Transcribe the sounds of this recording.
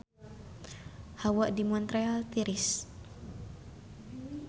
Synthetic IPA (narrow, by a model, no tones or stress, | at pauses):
hawaʔdimɔnt̪ɾealt̪iɾɪs